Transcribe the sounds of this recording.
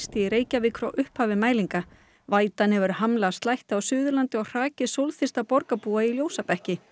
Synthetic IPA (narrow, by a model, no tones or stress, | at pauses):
st̪ɪiɾeːjcavɪkʰɾɔwʔʏhphaːvɪmaːjliŋka | vaːjt̪anhɛvʏɾhamlast̪lajht̪awsʏːðʏlant̪ɪɔɣr̥aːcɪsowlθɪst̪apɔɾkapuːailjoːwsapɛhcɪ